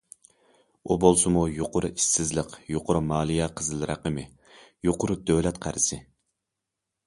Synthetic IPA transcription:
ubolˠsɨmujoqʰʊɾʊʔisːɪzləqjoqʊɾumɑːlˠijɛqʰəzɨlˠɾɑ̰qəmɨ | joqʊɾʊd̪̥øwlɛt̪qʰæɾɪsɪ

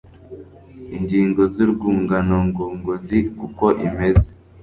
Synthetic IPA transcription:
iɲɟiːŋɡo̞ziɾɡuːŋɡanoŋɡoːŋɡozikuko̞ʔime̞ze

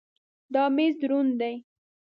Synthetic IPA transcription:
d̪ɑmezd̪ɾund̪aj

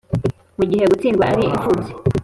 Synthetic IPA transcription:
muɟihe̞ɡut͡siːnɡwaaɾiiɱfuze̥

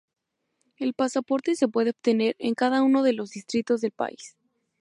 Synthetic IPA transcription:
e̞lpasapo̞ɾt̪e̞se̞p̬we̞ð̞eoβt̪e̞ne̞ɾe̞̰ŋkaðauno̞ðe̞lo̞zðist̪ɾit̪o̞zðe̞lpa̰is

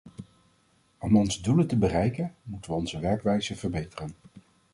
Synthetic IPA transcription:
ɔmɔnzəduləntəbərɛjkənmutəʋəɔnzəʋɛɹkʋɛjzəv̥əɹbejtərən

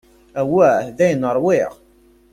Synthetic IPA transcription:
æwːæðæjənəɾˤwɪʁ

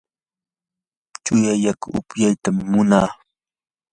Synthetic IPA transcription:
t͡ʃʊjajakʊ̰pjajt̪amːʊnaː

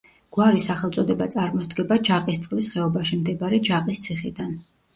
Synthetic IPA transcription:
ɡ̥waɾisaχɛlt̪sʼɔd̪ɛbat̪sʼaɾmɔsd̪ɡɛbad͡ʒaqʼist̪sʼqʼlisχɛɔbaʃimd̪ɛbaɾɛd͡ʒaqʼist̪sʰiχḭd̪an

